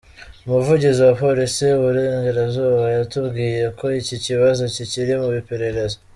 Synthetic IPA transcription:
umuvuɟiziwapo̞ɾisiuβuɾeːŋɡeɾabzuːβajatubɡiːje̞ko̞iciciβazo̞ciciɾimuβipe̞ɾe̞ɾe̞zo

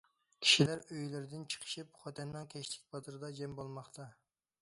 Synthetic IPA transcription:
kʲʰi̥ʃilæɾøjlɪɾɪd̪ɪnt͡ʃʰə̥qʰə̥ʃip̚χɑt̪ʰɛnːɨŋkʲʰɛʃlɪk̚ʲbɑt̪ɨɾɨd̪ɑd͡ʒɛmbolˠmɑχt̪ʰɑ

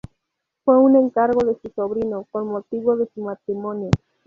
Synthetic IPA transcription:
fweuneŋkaɾɣoðesusoβɾinokonmot̪iβoðesumat̪ɾimonjo

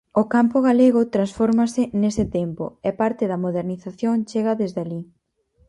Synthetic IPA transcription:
ʊkampʊɣaleɣʊt̪ɾansfoɾmɐsɪnesɪt̪empʊ̰ɛpaɾt̪ɪðɐmoðeɾniθaθjoŋt͡ʃeɣɐðezðali

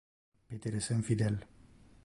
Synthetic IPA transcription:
pet̪eɾesənfid̪el

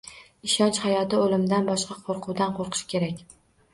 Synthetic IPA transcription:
ɪʃɒnt͡ʃhajɒt̪ɪolɪmd̪anbɒʃqɑqʰoɾqʰʊwd̪anqʰoɾqʰɨ̥ʃkʲe̞ɾakʲ

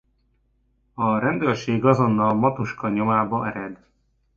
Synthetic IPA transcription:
ɒɾɛnd̪øːrʃeːɡɒzo̞nːɒlmɒt̪uʃkɒɲo̞maːbɒɛɾɛd̪

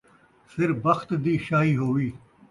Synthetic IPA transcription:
sɪɾfbɐxt̪d̪iːʃaːɦiːɦoːʋiː

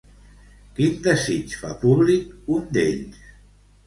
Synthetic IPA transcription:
kind̪əzit͡ʃfa̰puβlikund̪ḛʎs

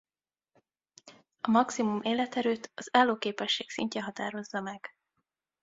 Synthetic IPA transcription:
ɒmɒksimumeːlɛt̪ɛɾøːt̪ɒzaːlːoːkeːpɛʃːeːksḭɲcɛɦɒt̪aːɾo̞zːɒmɛɡ̥

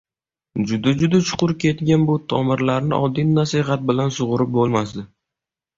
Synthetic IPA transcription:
d͡ʒʊd̪ad͡ʒʊd̪at͡ʃʰʊ̥qʊɾkʲʰe̞t̪ɡʲanbʊt̪ʰɒmɪɾlaɾnɪ̰ʔɒd̪ːinːasiɦat̪̚bɪlansʊʁʊɾɪp̚bolˠmasd̪ɪ

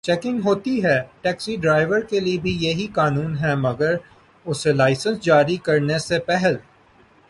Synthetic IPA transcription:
t͡ʃɛːkɪ̃ŋɡɦoːt̪iɦɛːʈɛːksiɖɾaːɪʋəɾkeliebʱijɐɦikaːnuːnɦɛmɐɡəɾ | ʊselaːɪsə̃nsd͡ʒaːɾikɐɾnesepɛɦɛl

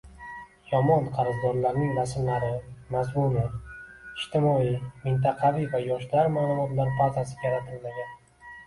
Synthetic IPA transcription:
jɒmɒnqʰɑɾɨzd̪ɒɾlaɾnɪŋɾasmlaɾɪmazmunɪɪʃt̪ʰɪmɒimɪnt̪̬ɑqʰɑvivajɒʃd̪aɾmaːlˠʊmɒt̪laɾpʰat̪asɪjaɾat̪ʰɪlmaɡʲan

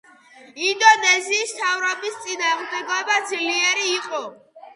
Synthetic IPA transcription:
ind̪ɔnɛziːst̪ʰavɾɔbist̪sʼinaːʁmd̪ɛɡɔbad̪zliɛɾiːqʼɔ

